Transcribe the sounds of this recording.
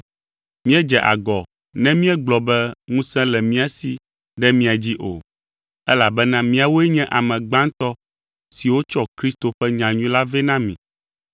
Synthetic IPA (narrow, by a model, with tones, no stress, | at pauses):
mĩ˦ɛ˦d͡ʒɛ˨ʔa̰˨ɡɔ˨ | nɛ̃˦mĩ˦ɛ˦ɡ͡blɔ˨bɛ˦ŋũ˦sɛ̃˦lɛ˨mĩ˦a˨si˨ | ɖɛ˦mĩ˦a˨d͡ʑi˦ʔo̰˨ | ɛ˦la˨bɛ˦nã˦mĩ˦a˨wo˦ɛ˦ɲɛ̃˦ʔa˨mɛ̃˨ɡ͡bã˦n˦t̪ɔ˦ | si˨wo˦t͡ʃɔ˦kɾi˦st̪o˨ɸɛ˦ɲã˨ɲũ˦la˦vɛ˦nã˦mḭ̃˨